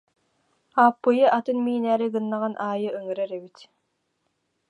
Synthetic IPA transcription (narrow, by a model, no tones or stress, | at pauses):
aːpːɯjɯʔat̪ɯnmiːnæːɾiɡɯnːaʁanʔaːjɯʔɯŋɯɾɛɾɛbit̪